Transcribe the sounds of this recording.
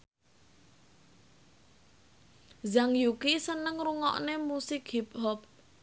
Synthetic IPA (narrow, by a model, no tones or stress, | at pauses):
zaŋjukisənəŋruŋɔ̰ʔnemusɪkhip̚ɦɔp̚